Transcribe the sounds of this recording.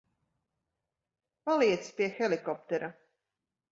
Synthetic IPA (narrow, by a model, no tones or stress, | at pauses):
palˠiɛt̪spiɛxɛlˠikɔp̚t̪ɛɾa